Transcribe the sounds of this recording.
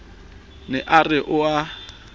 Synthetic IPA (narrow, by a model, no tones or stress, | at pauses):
nɛʔarɪʔʊa